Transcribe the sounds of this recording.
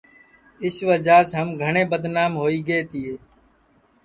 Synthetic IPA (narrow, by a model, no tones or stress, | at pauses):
ɪsʋəd͡ʒaːsɦəmɡʱəɳẽːbəd̪naːmɦoːiːɡeːt̪ɪːeː